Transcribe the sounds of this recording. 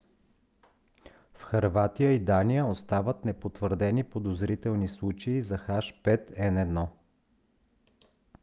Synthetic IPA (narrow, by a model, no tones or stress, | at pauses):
fxɐɾvat̪ijəid̪anijəost̪avət̪nɛpot̪vəɾd̪ɛnipod̪ozɾit̪ɛlˠnislˠut͡ʃɛizɐxaʃpɛt̪ɛnɛd̪nɔ